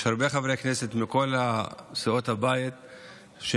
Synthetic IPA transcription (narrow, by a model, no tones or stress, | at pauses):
ʃhaɾbeχavɾekneset̪miko̞lasio̞t̪habajit̪ | ʃ